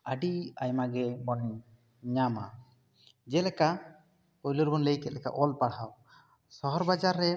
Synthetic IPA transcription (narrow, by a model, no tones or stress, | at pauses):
əɖiajmaɡɛmɔnɛ | ɲama̰ | d͡ʒɛlɛka | pɔjlɔɾbɔnləjkɛt̪̚lɛka̰ʔɔlpaɽhaw | sɔɦɔɾbad͡ʒaɾːɛ